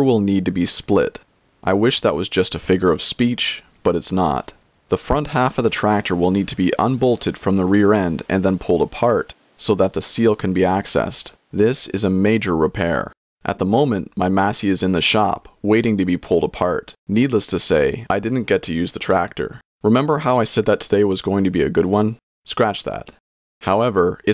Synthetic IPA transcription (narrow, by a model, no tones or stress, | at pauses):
wɪlˠnid̚tɨbisplɪ̰ɾ | ʔaɪwɪʃðəʔ̚wʌzd͡ʒʌstɨfɪɡjə˞ʌv̥spit͡ʃ | b̥ʌɾɨtsnə̰t̪̚ | ðəfɹʌ̃nt̚hæfʌvðətʰɹ̥æk̚tʰə˞wəlˠnid̚tʰɨbiʔə̰̃nbolˠtʰɨd̥fɹʌ̃mðəɹɪɹɛ̃ndɨ̰̃nðə̃npʰʊlˠdəpʰɑɹt | soʊðət̪̚ðɨsilˠkʰɨ̃nbiæksɛ̰st | ðɪsɨ̰zɨmeɪd͡ʒə˞ɹɪpʰɛ̰ɹ | ʔɨ̰t̪̚ðəmõʊ̃mɨ̃nʔmaɪmæsiɨzɨ̃nðɨʃɑ̰pweɪɾɪ̃ŋtɨbipʰʊlˠdəpʰɑɹtnidˡləstʰɨseɪaɪdɪdⁿn̩ɡ̥ɛtʰɨjʉzðɨtʰɹ̥æk̚tə̰˞ | ɹɨmɛ̃mbə˞ɦaʊaɪsɛd̪̚ðɨtʰədeɪwʌzɡoʊɪ̃ŋtʰɨbiɨɡʊd̚wʌ̃n | skɹæt͡ʃðæ̰t̚ | haʊɛvə˞ɨ